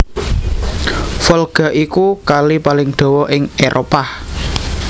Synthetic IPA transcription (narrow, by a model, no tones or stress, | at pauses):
fɔlɡ̥a̤ʔikukalipalɪŋɖ̪̥ɔ̤wɔʔɪŋeɾʔopah